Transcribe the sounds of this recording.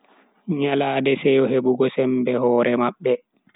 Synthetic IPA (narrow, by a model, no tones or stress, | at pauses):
ɲalaːdɛsɛjɔɦeɓuɡɔsɛmbɛhɔːɾɛmaɓːɛ